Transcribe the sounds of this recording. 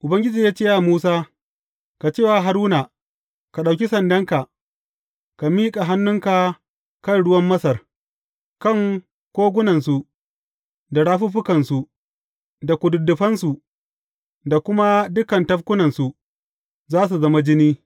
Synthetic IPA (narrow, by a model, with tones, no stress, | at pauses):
ʔʊ˨bɐ˦ŋɡʲɪ˦d͡ʒiː˨jaː˦t͡ʃeː˦ja˨muː˦saː˦ | ka˨t͡ʃeː˦˨wa˨ɦa˨ɾuː˦na˨ | ka˨ɗa˨wkʲi˦sɐ˨ndɐ˦ŋka˨ | ka˨miː˦kʼa˨ɦa˦nːʊ˦ŋka˨ | kɐ˦nɽʊ˦wɐ˦mːɐ˦sɐ˨r | kɐ˦˨ŋ | kʷoː˦ɡʷʊ˦nɐ˨nsu˨ | da˨ɽaː˦ɸu˦ɸʊ˦kɐ˨nsu˨ | da˨kʷʊ˨dʊ˨dːʊ˨ɸɐ˦nsu˨ | da˨kʷʊ˦ma˦dʊ˦kɐ˨ntɐ˦ɸkʷʊ˦nɐ˨nsu˨ | zaː˦s̬u˨zɐ˦ma˦d͡ʒɪ˦niː˦